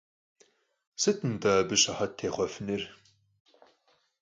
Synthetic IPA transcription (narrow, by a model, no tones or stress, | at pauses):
sɨtʰɨndɐbɨɕɐħɐt̚tʰːeːχʷɔfɨnɨr